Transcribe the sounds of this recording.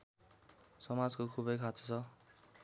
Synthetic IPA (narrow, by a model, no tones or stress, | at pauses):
sʌmad͡zkokʰubʌjkʰat͡sʌ̥t͡sʰʌ